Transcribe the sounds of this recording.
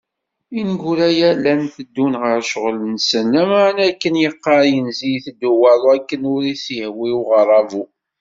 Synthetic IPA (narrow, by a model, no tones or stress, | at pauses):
inɡuɾæjælænθəd̪ːunʁəɾʃʁlənsənæmaʕnækːənjəqːɑjənzijθd̪uwælˤwækːənʊɾiθihwiwʁəɾˤːɑvu